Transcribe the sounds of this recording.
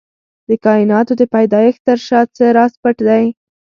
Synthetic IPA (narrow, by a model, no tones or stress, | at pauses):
d̪̥əkɑɪnɑt̪od̪əpajd̪ɑjəxt̪əɾʃɑt͡səɾɑspəʈd̪aj